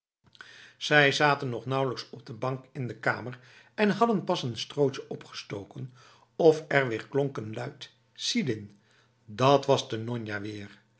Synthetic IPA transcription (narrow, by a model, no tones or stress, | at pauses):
z̥ɛjzaːtənːɔχnʌwləksɔb̚dəbɑŋkɪndəka̰ːməɹ | ɛnɦɑdənpɑsənstrowt͡ʃəɔpχə̥stowkən | ɔfɛɹʋɪːɹklɔŋkənlœɥt | sidɪn | dɑtʋɑzdənɔɲjaːʋɪːɹ